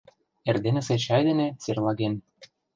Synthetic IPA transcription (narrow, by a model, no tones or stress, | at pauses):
erd̪enĕset͡ɕɑjd̪enĕt͡serlˠɑɣen